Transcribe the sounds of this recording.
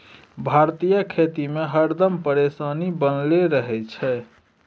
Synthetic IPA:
bʱaɾt̪ijəkʰet̪imeɦəɾd̪əmpəɾesanibənleɾəɦɛt͡ʃʰɛ

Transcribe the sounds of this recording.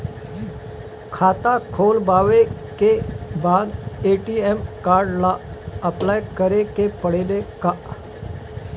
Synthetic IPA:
kʰaːt̪akʰoːlbaʋekebaːd̪eʈiemkaːɾɖlaəplajkəɾekepəɽelekaʔ

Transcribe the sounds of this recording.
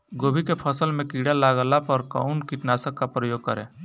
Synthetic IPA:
ɡoːbʱikepʰəsəlmẽkiːɽalaːɡəlapəɾka̰ʊnkiʈnaːsəkkapɾəjoːɡ̚kəɾḛ̃ː

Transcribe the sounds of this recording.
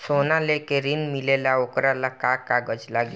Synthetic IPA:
sonalekeɾinmilelaokɾalakakaɡəd͡ʑlaɡi

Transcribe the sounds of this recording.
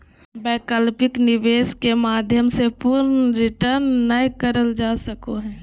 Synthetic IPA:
bɛːkəlpɪknɪʋeːskemaːd̪ʱjəmsepuɾnɾɪʈəɾnːəjkəɾəld͡ʒaːsəkoɦɛ̃ː

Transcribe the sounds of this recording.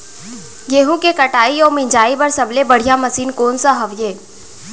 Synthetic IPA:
jeːɦũkekɐʈaːiɔːɾmɪ̃ɲd͡ʒaːibɐɾsɐblebɐɽ̤ijamɐsiːnkoːnsaɦɐʋjeː

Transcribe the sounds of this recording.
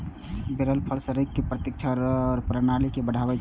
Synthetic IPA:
beɾəlpʰəɾsəɾikːepɾət̪ɪk̚t͡ʃʰaɾɔːɾpɾənalikebəɽʱaʋə

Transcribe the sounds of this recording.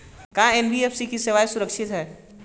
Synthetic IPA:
kãenbieːfsikisɪʋaːjsʊɾəkʃɪt̪ɦɛː

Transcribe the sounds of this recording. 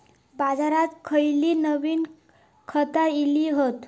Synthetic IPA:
bad͡zaɾat̪kʰəjliːnəʋiːn | kʰət̪ailiɦot̪

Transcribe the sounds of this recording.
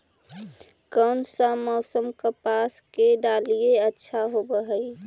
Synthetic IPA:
kəːnsə̃mɔːsəmkəpaːskeɖaːlijeətːʃʰaɦobəɦəi

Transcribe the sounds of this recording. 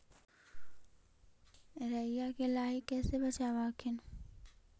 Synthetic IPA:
ɾəɪjakelaːɦɪkːɛːsebɐt͡ʃaʋaːkʰɪn

